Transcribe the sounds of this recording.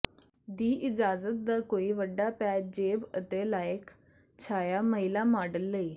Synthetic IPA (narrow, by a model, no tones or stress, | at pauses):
d̪iːʔɪd͡ʒaːzət̪̚d̪aːkoːiːʋəɖːaːpɛːd͡ʒeːbət̪eːlaːək | t͡ʃʰaːjaːməɦɪlaːmaːɖəlːəiː